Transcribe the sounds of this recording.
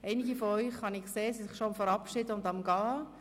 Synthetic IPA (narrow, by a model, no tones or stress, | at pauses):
eɪnɪɡifɔɔʏχhɑnɪkseːsisɪχʃoɑmfɛɾɑpʃɪdəʊndɑmɡɑː